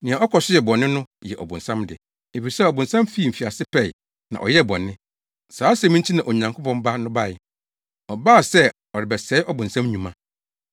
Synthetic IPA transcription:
nɪ̃˨a˨ɔ˦kʰɔ˨sɪ˦jɛ˨bɔ̃˨nːɪ̃˦nʊ̃˦jɛ˨ʔɔ̰˨bʊ̰̃˨nsã˦mdɪ̰˨ | e˨fi˨sɛ˦ɔ˨bʊ̃˨nsã˦mfiː˦˨m̩˨fi˨a˨sɪ˦pʰɛ˦˨ɪ˨ | nã̰˨ʔɔ̰˨jɛ˦˨bɔ̰̃˨nːɪ̃˦ | saː˨˦sɛ̃˨˦mĩ˦n˦tʰi˦nã˨ʔo˨ɲã˨ŋkʰʊ˦pʰɔ̃˦mba˦nʊ̃˦ba˦˨ɪ˨ | ɔ˨baː˦˨sɛ˦ | ɔ˨ɾɪ˨bɛ˨sɛː˦ʔɔ˦bʊ̃˨nsã˦mɲũ˨mã˦

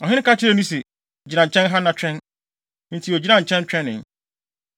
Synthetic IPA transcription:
ɔ˨ɦɪ̃˦n˦ka˦t͡ɕʰɪ˦ɾɛ˦nũ˦se˨ | d͡ʑi˨nã˨t͡ɕʰɛ̃˦nɦa˦nã˨t͡ɕʰᶣɛ̃˦n˦ | n̩˨tʰi˨˦o˨d͡ʑi˦nã˨t͡ɕʰɛ̃˦n˦t͡ɕᶣɛ̃˦nɪ̃˨

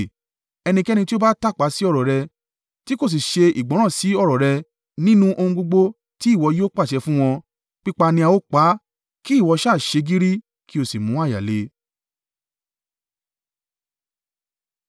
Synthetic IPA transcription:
ɛ˧nĩ˧kɛ˦nĩ˧ti˦o˦ba˦ta˦˨k͡pa˨˦si˦ɔ˦˨ɾɔ˨ɾɛ˧ | ti˦ko˦˨s̬i˨ʃe˧ḭ˨ɡ͡bɔ̃˨˦ã˦˨si˨˦ɔ˦˨ɾɔ˨ɾɛ˧ | nĩ˦nũ˦ʔo˧hũ˧ɡ͡bo˧ɡ͡bo˧ | ti˦i˦˨wɔ˧jo˦k͡pa˦˨ʃɛ˧fũ˦w̃ɔ̃˧ | k͡pi˦k͡pa˧nĩ˧a˧wo˦k͡pa˨˦ | ki˦˨wɔ˨˧ʃa˦˨ʃe˧ɡi˦ɾi˦ | ki˦o˦˨si˨mũ˨˦a˦˨ja̰˨le˨˦

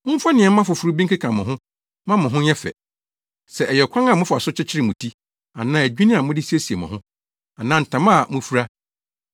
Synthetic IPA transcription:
m̩̃˦fa˦nɪ̃˨ɛ˨˦ã˦fʊ˨fu˨ɾu˦bĩ˦ŋ˦kʰi˦kʰã˨mʊ̃˨ɦʊ̃˦ | mã˦mʊ̃˨ɦʊ̃˦ɛ˦fɛ̰˨ | sɛ˨ʔɛ˨jɛ˨kʷʰã˦ŋa˨mʊ̃˦fʊ˨a˨sʊ˦t͡ɕʰɪ˦t͡ɕʰɪ˦ɾɪ˦mũ˨tʰi˦ | a˨nãː˨˦æ˨d͡ʑᶣi˦nɪ̃˦a˨mʊ̃˦dɪ˦si˦e˦si˨e˨mʊ̰̃˨ɦʊ̃˦ | a˨nãː˦n̩˨tʰã˨mã˦˨mʊ̃˦fu˦ɾa˦

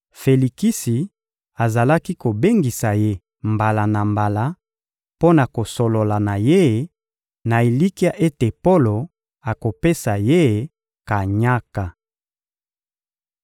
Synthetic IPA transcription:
fe˨li˨ki˦si˨ | a˨za˨la˦ki˦ko˨be˦ŋɡi˨sa˨je˦ | mba˨la˨na˨mba˨la˦ | po˦na˨ko˨so˨lo˨la˨na˨je˦˨ | na˨e˨li˦ki˦a˦ʔe˦te˨po˦lo˨ | a˨ko˨pe˦sa˨je˦˨ | ka˨ɲa˦ka˨

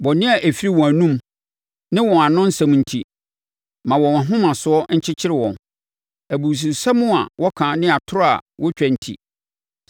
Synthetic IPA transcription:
bɔ˨nɪ̃˦a˨ʔe˨fi˦ɾi˦wɔ̃˨æ˨nũ˦m | nɪ̃˦wɔ̃˨a˨nʊ̃˦n̩˦sã˨m˨n̩˨tʰi˨ | mã˨wɔ̃˨ã˨ɦʊ̃˦mã˨sʊ˨˦ɔ˦ɲ̩˦t͡ɕʰɪ˦t͡ɕʰɪ˦ɾɪ˦˨wɔ̰̃˨n | æ˨bu˨s̬u˨sa˦mʊ̃˦a̰˨wʔɔ˦kʰãː˨nɪ̃˦a˨tʰʊ˦ɾa̰˨wɔ˦t͡ɕᶣɛ˨n̩˨tʰḭ˨

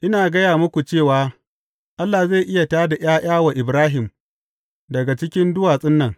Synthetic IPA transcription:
ʔɪ˦naː˨ɡɐ˦jaː˨mʊ˦kʷu˨t͡ʃeː˦˨waː˨˦ | ʔa˦lːa˨za˦˨ʔɪ˦ja˨taː˦da˨j̰aː˦jʔaː˦wa˨ʔɪ˨bɾaː˦ɦɪ˨m | dɐ˨ɡa˨t͡ʃɪ˦kʲɪ˦ndʊ˦waː˨sʼɪ˦nːɐ˨ŋ

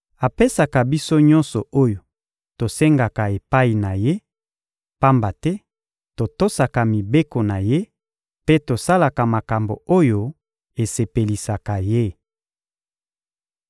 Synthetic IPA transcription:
a˨pe˦sa˨ka˨bi˦so˦ɲɔ˦nsɔ˨o˦jo˨ | to˨se˦ŋɡa˨ka˨e˨pa˦i˨na˨je˦ | pa˦mba˨tɛ˦ | to˨to˦sa˨ka˨mi˨be˦ko˨na˨je˦ | pe˦to˨sa˦la˨ka˨ma˨ka˨mbo̰˨o˦jo˦ | e˨se˨pe˨li˨sa˨ka˨je˦

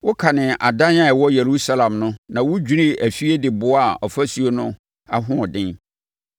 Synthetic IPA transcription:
wʊ˦kʰa˨nɪ̃˨a̰˨dã˦na˦ɛ˨wɔ˦jɛ˨ɾu˦sa˦lã˨mnʊ̃˦nã˨wʊ˦d͡ʑᶣi˦ɾɪ̃˦æ˨fi˦e˦dɪ˨bʊ˦a˨ɔ˨fæ˦su˨o˦nʊ̃˦ | a˦ɦʊ̃˦ɔ˨dɪ̃˦n

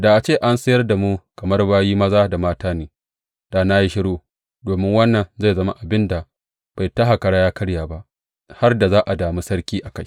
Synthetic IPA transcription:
da˨ʔa˨t͡ʃeː˦˨ʔa˦nsɐ˦jɐ˦rda˨mu˦kɐ˨mɐ˦rbaː˦jiː˦mɐ˦zaː˦da˨maː˦taː˦neː˨ | da˨na˦ji˦ʃɪ˦ɽoː˦ | doː˨mɪ˦ŋwɐ˦nːɐ˨nza˦˨zɐ˦ma̰˦ʔa˨bɪ˦nda˨ | b̥a˨jta˦ɦa˨kɐ˨ɽaː˦jaː˦kɐ˦ɽjaː˨ba˦ʔ | ha˦rda˨zaː˦ʔa˨daː˨mi˦sɐ˦ɽkʲiː˦ʔa˨ka˦j

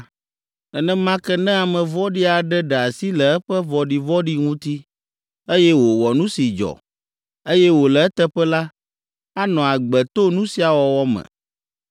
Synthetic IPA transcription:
ɛ˨nɛ̃˦mã˦kɛ˦nɛ̃˦a˨mɛ̃˨vɔ˦ɖi˦a˨ɖɛ˦ɖɛ˨a˨si˦lɛ˨ɛ˦ɸɛ˦vɔ˨ɖi˨vɔ˦ɖi˦ŋũ˦t̪i˦ | e˦jɛ˦wo˨wɔ˨nũ˦si˨d͡ʒɔ̰˨ | e˦jɛ˦wo˨lɛ˨ɛ˦t̪ɛ˦ɸɛ˦la˦ | a˦nɔ̃˨a˨ɡ͡bɛ˨t̪o˦nũ˦si˨a˨wɔ˨wɔ˦mɛ̰̃˨

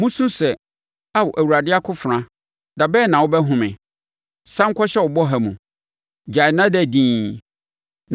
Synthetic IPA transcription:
mũ˦sũ˦sɛ˨ | a˦wʊ˨ʔæ˨wu˨ɾa˨dɪ˦a˦kʰʊ˦fɾã˦ | da˨bɛː˦˨nã˨wʊ˦bɛ˦ɦʊ̃˦mɪ̰̃˨ | sã˦ŋ̩˦kʷʰɔ˦ɕɛ˦wʊ˨bɔ˦ɦæ˨mũ˨ | d͡ʑa˨jnã˦dɛ˦˨dĩː˦

